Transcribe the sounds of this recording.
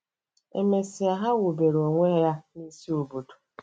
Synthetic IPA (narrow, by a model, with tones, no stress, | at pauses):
ḛ˨me˨si˨a˨ɦa˦wu˨be˨ɾo˨ŋʷe˦ja˦ni˦si˦o˨bo˨du̥˨